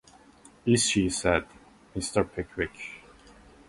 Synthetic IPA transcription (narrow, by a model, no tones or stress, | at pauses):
iz̥ʃisɛd | mɪstə˞pʰɪkʰwɪk